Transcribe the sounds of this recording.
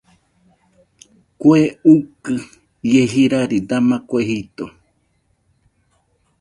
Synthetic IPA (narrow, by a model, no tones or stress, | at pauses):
koeukɨ | jeɦiɾaɾid̪amãkʷeɦit̪o̰